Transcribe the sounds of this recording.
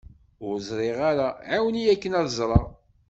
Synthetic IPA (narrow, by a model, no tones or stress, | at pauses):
ʊɾzˤɾˤeʁaɾaʕawənijækːənæðzˤɾˤɑ